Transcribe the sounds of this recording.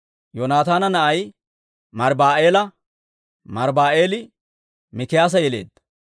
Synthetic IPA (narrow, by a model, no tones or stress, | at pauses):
joːnaːt̪aːnɐnɐʔɐj | mɐɾbaːʔe̞ːlɐ | mɐɾbaːʔe̞ːlɪ | mɪkɪjaːs̬ɐjɛleːd̪ːɐ̥